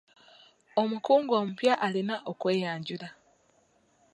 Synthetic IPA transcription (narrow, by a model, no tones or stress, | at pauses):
o̞mukuːŋɡoːmupjaʔalinaʔokwe̞ːjaːɲɟula